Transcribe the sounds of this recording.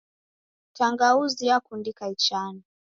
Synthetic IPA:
taŋɡauzijakundikait͡ʃani

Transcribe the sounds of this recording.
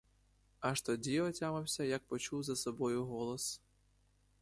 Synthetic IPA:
ɐʃt̪ɔdʲiɐtʲamɐwʲsʲɐjɐk̚pɔt͡ʃuwzɐsɔbɔjʊɦɔlˠɔs

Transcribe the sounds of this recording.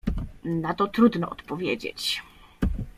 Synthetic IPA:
nat̪ɔt̪ɾud̪nɔʔɔt̪pɔvʲjed͡ʑḛt͡ɕ

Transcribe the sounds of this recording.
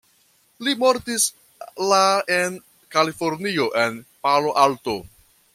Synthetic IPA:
limoɾtis | laen | kalifoɾnio̞ʔe̞npaloʔalto

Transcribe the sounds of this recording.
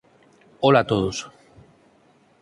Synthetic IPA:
olat̪oðos

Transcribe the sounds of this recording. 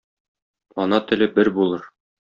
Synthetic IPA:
ɒnɑt̪ɘ̆lɘbɘɾbulˠɤɾ

